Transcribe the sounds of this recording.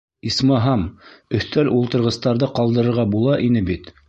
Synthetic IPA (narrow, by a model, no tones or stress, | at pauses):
ismɑɦɑmɵ̆θt̪ælulˠt̪ɤ̆ɾʁɤ̆st̪ɑɾðɤqɑlˠd̪ɤ̆ɾɤ̆ɾʁɑbulˠɑʔinɘbit̪